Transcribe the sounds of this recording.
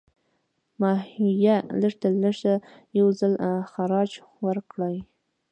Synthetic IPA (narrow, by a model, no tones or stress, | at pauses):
mɑhijaləɾt̪aləʐt̪ajawzəlxaɾɑd͡ʒ | wəɾkɽaj